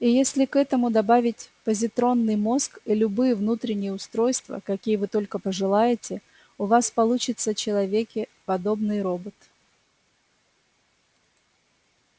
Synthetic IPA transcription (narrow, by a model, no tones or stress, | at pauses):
ijesʲlʲɪkɛt̪əmʊd̪ɐbavʲɪtʲpəzʲɪt̪ɾo̞nːɨjmo̞skilʲʊbɨjəvnut̪ɾʲɪnʲɪjəʊst̪ɾo̞jst̪və̰kɐkʲijəvɨt̪o̞lʲkəpəʐɨlˠajɪtʲɪ | ʊvaspɐlˠut͡ɕɪt̪sət͡ɕɪlˠɐvʲekʲɪpɐd̪o̞bnɨjɾo̞bət̪